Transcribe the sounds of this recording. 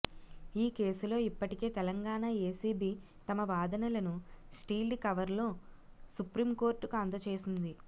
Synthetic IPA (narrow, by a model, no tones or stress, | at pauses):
iːke̞ːsulo̞ːipːɐʈike̞ːt̪ɛlɐŋɡaːɳaːe̞ːsiːbiː | t̪ɐmɐʋaːd̪ɐnɐlɐnusʈiːlɖkɐʋɐɾlo̞ː | supɾiːmko̞ːɾʈːukɐnd̪ɐt͡ʃe̞ːsind̪i